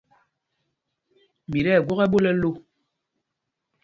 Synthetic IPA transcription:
mi˨ɾɛ˦˨ɡwɔ˦ɣɛ˦ɓo˦lɛ˦lo˦˨

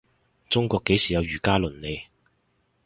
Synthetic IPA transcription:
t͡sʊ˥ŋkʷɔː˧kːe˨˥jsiː˨˩jɐ˨˧wjyː˨˩kaː˥lɵ˨˩nne˨˧j

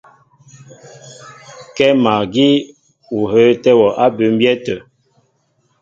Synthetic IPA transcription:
kɛ˦ma˨ɡi˦ | u˨ɦə˦tɛ˦wɔ˨ʔa˦bə˨˦m̩˦bjɛ˦tə˨

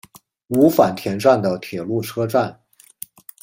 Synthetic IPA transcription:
u˧˥fa˨˩nt̪ʰjɛ˧˥nʈ͡ʂwa˥˩nd̪ə˩t̪ʰjɛ˨˩lu˥˩ʈ͡ʂʰɤ˥ʈ͡ʂwa˥˩n

